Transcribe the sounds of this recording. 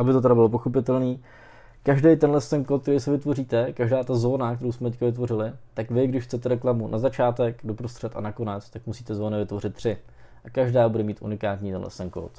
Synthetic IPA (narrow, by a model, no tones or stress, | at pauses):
ʔabɪt̪ot̪ɛɾabɪlo̞p̬oxo̞pɪt̪ɛlniː | kaʒdɛjt̪ɛnlɛst̪ɛnkot̪̚kt̪ɛɾijsɪvɪt̪vo̞riːt̪ɛkaʒdaːt̪azo̞ːnak̚tɛɾowsmɛt̪ɛc̚kavɪt̪vo̞rɪlɪt̪akvɪɡdɪʃxt͡sɛt̪ɛɾɛklamunʔazat͡ʃaːt̪ɛkdo̞pɾost̪r̝̥ɛt̪ʔa̰nako̞nɛt͡st̪akmusiːt̪ɛzo̞ːnɪvɪt̪vo̞rɪt̪̚ːr̝̥ɪ | ʔakaʒdaːbudɛmiːt̪ʔṵnɪkaːt̪ɲiːt̪ɛ̰nlɛ̰st̪ɛnko̰ːt̪